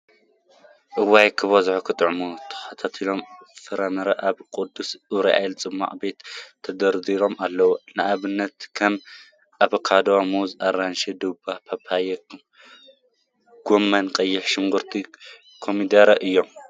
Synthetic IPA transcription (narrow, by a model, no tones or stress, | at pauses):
ʔɨwajkʰɨβɐzħukʰɨt̪ʼɨʕmut̪ʰɐ̥xɐt̪ʰat̪ʰilo̞mfɨɾɐmɐɾɐʔaβkʼʊd̪ːusɨɾiʔa̰jlt͡sʼɨmːa̰ʔʼbe̞t̪ʰːɐd̪ɐɾd̪iɾo̞malːɐwonɨʔaβɨnːɐt̪kʰɐm | ʔaβkʰad̪owamuzʔaɾanʃid̪ɨbapʰɐpʰajɛ | ɡ̥omːɐnkʼɐjːɪħʃɪŋɡuɾt̪ʰi | kʰomid̪ɐɾɐʔɨjːom